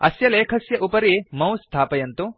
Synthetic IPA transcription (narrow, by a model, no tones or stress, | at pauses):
ɐ̰sjɐleːkʰɐsjɐʔupɐɾimɐ̃w̃st̪ʰaːpɐjɐnt̪u